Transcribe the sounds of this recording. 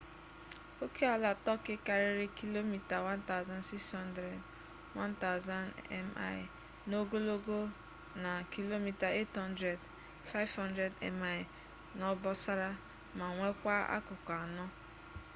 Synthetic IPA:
o˦ke˦a˨la˨tɔ˦kɪ˦ka˨ɾɪ˦ɾɪ˦ki˦lo˦mi˨ta˨wa˦nta˦ʊ˦za˦n˦si˦kshɔ˦ndɾe˨d | wa˦nta˦ʊ˨za˦nɛ̰˦ma̰˦ɪ˨ | no˦ɡo˦lo˦ɡo˦ | na˨ki˦lo˦mi˨ta˨e˦thɔ˦n˦dɾe˨d | fa˦ɪ˦vhɔ˦ndɾe˨dɛ̰˨ma˦ɪ˨ | nɔ˦bɔ˦sa˦ɾa˦ | ma˨ŋʷe˦kʷa˦a̰˦kʊ˨ka˨nɔ˦

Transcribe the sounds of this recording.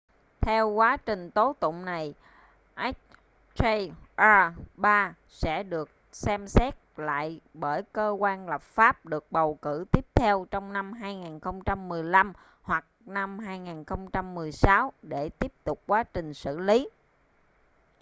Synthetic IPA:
t̪ʰɛ˧wkwaː˨˦t͡ɕï˨˩ŋ̟t̪o˨˦t̪ʊ̰˧˨ŋ͡mna˨˩j | ʔɛ˦˥k̚ | t͡ɕe˧ʔaː˧ɓaː˧ | sɛ̰˧˥ɗɨ˨˩ək̚sɛ˧msɛ˦˥t̚la̰ː˧˨jɓəː˧˩jkəː˧kwaː˧nlə˨˩p̚faː˦˥p̚ɗɨ˨˩ək̚ɓə˨˩wkɨ˧˩t̪i˦˥əp̚t̪ʰɛ˧wt͡ɕɔ˧wŋ͡mna˧mɦaː˧jŋaː˨˩nxə˧wŋ͡mt͡ɕa˧mːɨ˨˩əjla˧m | hwa˨˩k̚na˧mɦaː˧jŋaː˨˩nxə˧wŋ͡mt͡ɕa˧mːɨ˨˩əjsa˨˦wɗe˧˩t̪i˦˥əp̚t̪ʊ˨˩k͡p̚kwaː˨˦t͡ɕï˨˩ŋ̟sɨ̰˧˨li˨˦

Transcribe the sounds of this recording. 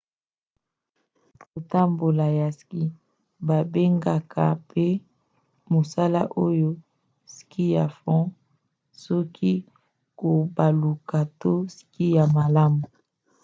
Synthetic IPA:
ko˨ta˦mbo˨la˨ja˨ski˦ | ba˨be˦ŋɡa˨kʰa˨pe˦ | mo˨sa˦la̰˦ʔo˦jo˦ | ski˦ja˨fɔ̃˦ | sɔ˦kʰi˦ | ko˨ba˨lu˨ka˨to˦si̥˦ki˦ja˨ma˨la˦mu˨

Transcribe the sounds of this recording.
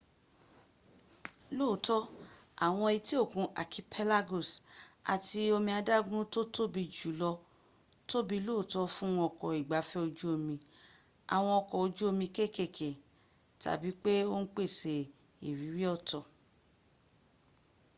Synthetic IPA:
lo˦˨tɔ˦a̰˨w̃ɔ̃˧i˧ti˦o˦˨kũ˧ʔa̰˨ki˧pʰe˦la˦ɡo˨sa̰˨ti˧o˧mĩ˧a˧da˦ɡũ˦to˦to˦bi˧d͡ʒu˨˦lɔ˧ | to˦bi˧lo˦˨tɔ˦fũ˦ɔ̃˧ɔ˧˨kɔ˨i˨ɡ͡ba˨˦fɛ˦o˧d͡ʒu˦o˧mĩ˧ | a̰˨w̃ɔ̃˧ɔ˧kɔ˨o˧d͡ʒu˦o˧mĩ˧ke˦˨ke˦˨kʰe˨ | ta̰˨bi˨˦k͡pe˦o˦n̩˦k͡pe˦˨se˨ | i˨ɾi˨˦ɾi˦ɔ˦˨tɔ˨

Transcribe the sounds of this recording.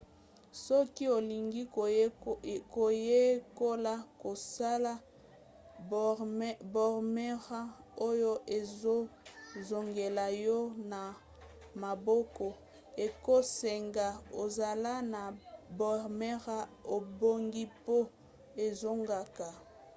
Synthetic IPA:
sɔ˦ki˦o˨li˨ŋɡi˦ | ko˨je˦ko˦la˦ko˨sa˦la˦ | bɔ˨ʁme˦ʁa˦o˦jo˦ʔe˨zo˦zo˨ŋɡe˨la˨jɔ˦na˨ | ma˨bɔ˦kɔ˨ | e˨ko˦se˨ŋɡa˨o˨za˨la˦na˨bʁme˦ʁa˦o˨bo˦ŋɡi˦po˦ | e˨zo˦ŋɡa˨ka˨

